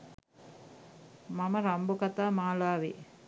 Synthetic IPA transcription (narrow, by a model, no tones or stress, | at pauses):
mɐmɐɾɐmbukɐt̪aːmaːlaːʋḭ